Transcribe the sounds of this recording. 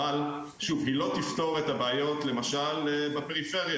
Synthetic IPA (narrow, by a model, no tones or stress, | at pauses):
al | ʃuvɦilo̞t̪ift̪o̞ʁet̪abeːjo̞t̪le̞maʃalebepeʁife̞ʁja